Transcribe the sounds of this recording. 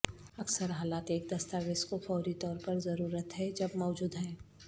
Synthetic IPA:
ɐksəɾɦaːlaːt̪eːk̚d̪ɐst̪aːʋeskofɔːɾit̪ɔːɾpɐɾzɐɾuːɾət̪ɦɛd͡ʒɐbmɔːd͡ʒuːd̪ɦɛː

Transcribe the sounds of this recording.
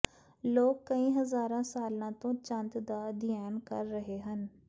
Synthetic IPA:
loːɡ̚kəĩːɦəzaːɾãːsaːlãːt̪õːt͡ʃə̃nd̪d̪aːd̪ɪjaːnkə̰ɾːəɦeɦən

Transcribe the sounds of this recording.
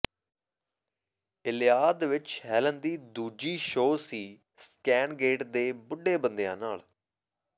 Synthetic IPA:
ɪlɪjaːd̪ʋɪt͡ʃɦɛːlənd̪iːd̪uːd͡ʒiːʃoːsiː | skɛːnɡeːʈd̪eːbʊɖeːbənd̪ejã̰ːnaːɭ

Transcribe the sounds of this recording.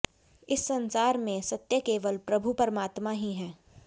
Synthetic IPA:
ɪsːɐ̃nsaːɾmẽsɐt̪jəkeːʋəlpɾɐbʱupəɾmaːt̪maɦiɦɛ̃ː

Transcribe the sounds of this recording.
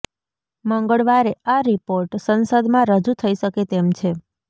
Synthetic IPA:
mə̃ŋɡəɭʋaɾeaɾipoɾʈsənsəd̪mãɾəd͡ʒut̪ʰəiʃəket̪emt͡ʃʰe

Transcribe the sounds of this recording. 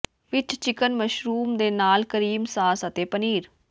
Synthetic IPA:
ʋɪt͡ʃt͡ʃɪkənməʃɾuːmd̪eːnaːlkəɾiːmsaːsət̪eːpəniːɾ

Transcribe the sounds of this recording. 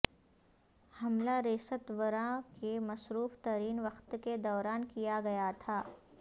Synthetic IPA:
hɐmlaɾeːsət̪ʋəɾãkemɐsɾuːft̪ɐɾiːnʋɐxt̪ked̪ɔːɾaːnkijaɡɐjat̪ʰaː

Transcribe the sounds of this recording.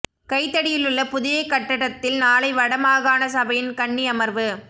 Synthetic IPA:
kɐɪt̪ːɐɽɪjɪlɯɭːɐpʊðɪjɐɪkːɐʈːɐɽɐt̪ːɪlnaːlɐɪʋɐɽɐmaːɣaːnɐsɐbɐjɪnkɐɳːiɐmɐɾʋɯ

